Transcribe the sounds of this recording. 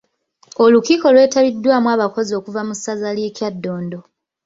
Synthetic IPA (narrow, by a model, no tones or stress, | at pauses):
olukiːko̞lwe̞ːtaβidːwaːmwaːβako̞zio̞ːkuvamusazalje̞ːcjadːo̞ːndo̞